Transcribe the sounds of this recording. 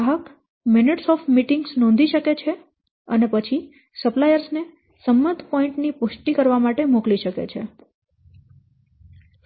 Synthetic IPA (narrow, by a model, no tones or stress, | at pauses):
ɦək | meneʈsɔfmiʈĩŋɡsnɔ̃nd̪ʱiʃəket͡ʃʰe | ənepət͡ʃʰi | səplajəɾsne | səmːə̃d̪ʱpɔĩɳʈnipuʃʈikəɾʋamaʈemokliʃəkḛt͡ʃʰḛ